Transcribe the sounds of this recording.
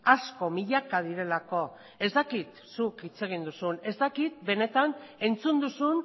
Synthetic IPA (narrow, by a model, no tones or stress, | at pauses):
asko̞miʎakað̞iɾe̞lako̞ | e̞zd̪akit̪ | sukit͡se̞ɣ̞ind̪usune̞zd̪akit̪̚be̞ne̞t̪ane̞nt͡sund̪usun